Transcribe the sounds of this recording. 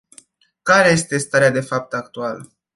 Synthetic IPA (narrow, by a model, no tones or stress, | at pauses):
kaɾe̞je̞st̪e̞st̪aɾead̪e̞fap̚t̪akt̪ualə